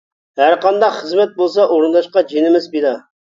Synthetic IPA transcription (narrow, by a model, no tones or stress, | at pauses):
hæɾqʰɑnd̪ɑqχəzmɛt̪̚bolˠs̬ɑʔoɾɨnd̪ɑʃqɑd͡ʒenɪmɪzbid̪ɑ